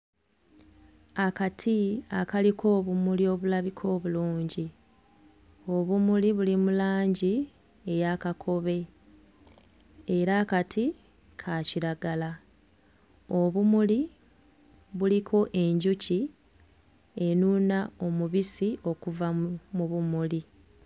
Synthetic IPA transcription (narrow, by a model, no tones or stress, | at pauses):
akatʰiakalikʰo̞ːβumulio̞βulaβikʰo̞ːβuluːɲɟi | o̞βumuliβulimulaːɲɟi | e̞jakakʰo̞βe̞ | e̞ɾaːkatʰi | kʰaciɾaɡala | oβumuli | βulikʰo̞ʔe̞ɲɟuci | e̞nunao̞muβisio̞kuvamuβumuli